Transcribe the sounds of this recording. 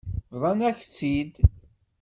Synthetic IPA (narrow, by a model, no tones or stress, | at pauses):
ðˤɑnæçt͡sːid̪